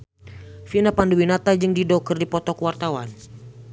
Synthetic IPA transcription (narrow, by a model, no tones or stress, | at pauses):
finapanduwinat̪ad͡ʒɨŋdidɔkərdipɔt̪ɔkuwart̪awan